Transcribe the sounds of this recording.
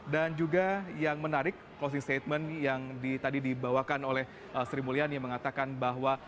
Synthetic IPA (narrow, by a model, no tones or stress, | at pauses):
dand͡ʒuɡajaŋmənaɾɪkːlos̬ɪŋst̪et̪̚mənjaŋdit̪adidibawakanolɛh | ʔəsəɾimulianjaməŋat̪akanbaɦwa